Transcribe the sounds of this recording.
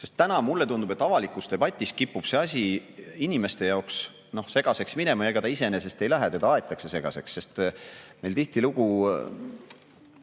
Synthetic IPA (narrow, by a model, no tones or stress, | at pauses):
se̞st̪ːænɑmulːe̞t̪und̪ubet̪ːˑɑvɑlikːˑust̪e̞bɑt̪ʲːˑis̚kipːub̥se̞ɑs̬ʲiinʲime̞st̪e̞jɑoks | no̞hse̞ɡ̥ɑse̞ksmine̞mɑjeɡɑt̪ɑise̞nese̞st̪e̞jlæɦet̪e̞d̪ɑɑe̞t̪ːˑɑkse̞se̞ɡ̥ɑ̰se̞ksːe̞st̪me̞jlt̪iht̪iluɡ̥u